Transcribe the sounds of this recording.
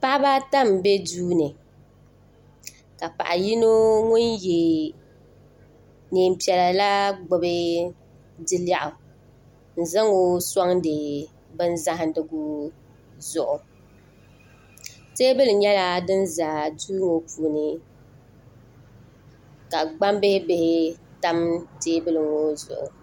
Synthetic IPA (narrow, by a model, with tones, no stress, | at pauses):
pa˦ʔba˦ta˦m˨be˦duː˦nɨ˨ | ka˨pa̰˨ʔa˨ji˦no˦ŋʊ˦nje˨ | neː˨m̩˨pi˨ɛ˨la˨la˦ɡ͡bʊ˨bɨ˦ | dɨ˦la˦˨ʔʊ˨ | n̩˨za˦ŋo˦sa˦ŋdɨ˨ | bɨ˦n˦za˦ɦɪ˨dɨ˦ɡu˦ | zʊ˨ʔʊ˨ | teː˦bɨ˦lɨ˨ɲɛ˦la˦dɨ˦nza˨du˦ŋo˨pʰuː˨nɨ˦ | ka˨ɡ͡ba˦mbe˦be˦hɪ˦ta˦mteː˦bɨ˦lɨ˨ŋo˦zʊ̰˨ʔʊ̰˨